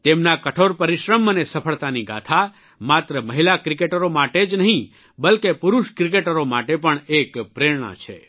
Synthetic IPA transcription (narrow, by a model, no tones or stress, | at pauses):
t̪emnakəʈʰoɾpəɾiʃɾəmənesəpʰəɭt̪aniɡa̰t̪ʰa | mat̪ɾəməɦilakɾikeʈəɾomaʈed͡ʒnəɦĩ | bəlkepuɾuʃkɾik̬eʈəɾomaʈepəɳekpɾeɽɳ̃ə̰t͡ʃʰḛ